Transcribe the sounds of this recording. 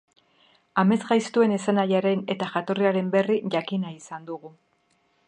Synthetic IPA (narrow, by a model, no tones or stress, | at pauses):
ame̞zɣajst̪ue̞ne̞sanajaɾe̞ne̞t̪aʝat̪o̞riaɾe̞mbe̞riʝakinaisand̪uɣu